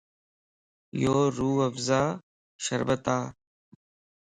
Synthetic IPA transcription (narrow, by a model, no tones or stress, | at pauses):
joːɾuːəfzaː | ʃəɾbət̪aː